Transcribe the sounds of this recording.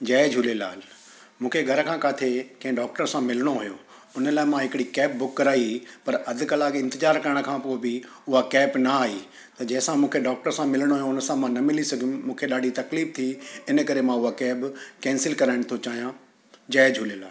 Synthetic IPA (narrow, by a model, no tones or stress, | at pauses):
d͡ʑɛːd͡ʑʱulela̰ːl | mũːkʰeɡʱɐɾəkʰãkaːt̪ʰekɐ̃ɦɪ̃ɖaːk̚ʈəɾsãmɪlɽ̃oɦʊjo | ʊnəlaːɪmãɦɪkɪɽikɛːp̚bʊkːɐɾaːipɐɾɐd̪ʱɪ̆kəlaːɠɪ̃nt̪ɪzaːɾkɐɾəɽ̃̆kʰãpoːebɪ | ʊɦakɛːpnɐaːɦiː | t̪ɐd͡ʑɐ̃ɦɪ̃sãmũːkʰeɖaːk̚ʈəɾsãmɪlɽ̃oɦʊjõʊnəsãmãnɐmɪlisɐɡʱijũmũːkʰeɗaːɖʱit̪ɐkliːft̪ʰiɪnəkɐɾemãʊɦakɛːbkɛ̃ːnsɪlkɐɾaːɪɽ̃t̪ʰot͡ɕaːɦijã | d͡ʑɛːd͡ʑʱʊːlelaːll